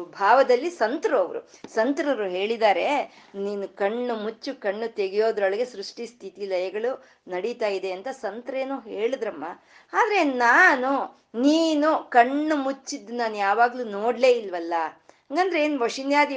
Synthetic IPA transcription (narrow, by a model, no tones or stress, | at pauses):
bʱaːʋɐd̪ɐlːisɐnt̪ɾoːʋɐɾṵsɐnt̪ɾɐʋɾuɦe̞ːɭid̪aːɾe̞ | niːnukɐɳːumut͡ʃːukɐɳːut̪e̞ɡijo̞ːd̪ɾoɭɐɡe̞sɾuʂʈist̪ʰit̪ilɐjɐɡɐɭu | nɐɽit̪aːjid̪e̞ɐnt̪ɐsɐnt̪ɾɐeːnuːɦe̞ːɭid̪ɾɐmːa̰ | aːd̪ɐɾe̞naːnu | niːnukɐɳːumut͡ʃːid̪ːunaːnujaːʋaːɡluːnoːɽle̞ːilʋɐlːɐ | ɐŋɡɐnd̪ɐɾeeːnuʋɐʂinjaːd̪i